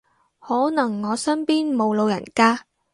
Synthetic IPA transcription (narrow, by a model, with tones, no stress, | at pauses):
hɔː˨˥nɐ˨˩ŋːɔː˨˧sɐ˥npiː˥nmo˨˧wlo˨˧wjɐ̰˨˩nkaː˥